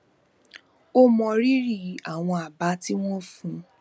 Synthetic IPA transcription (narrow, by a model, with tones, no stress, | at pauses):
o˦mɔ̃˧ɾi˦ɾi˦˨a˨w̃ɔ̃˧a˨ba˨˦ti˦w̃ɔ̃˦fũ˧